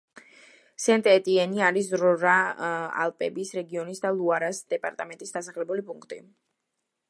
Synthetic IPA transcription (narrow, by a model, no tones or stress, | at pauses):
sɛnt̪ʼɛt̪ʼiɛniaɾis̬ɾɔɾaa̰lˠpʼɛbisɾɛɡiɔnisd̪alˠuaɾasd̪̥ɛpʼa̰ɾt̪ʼamɛnt̪ʼisd̪asaχlɛbulipʼuŋkʰt̪ʼḭ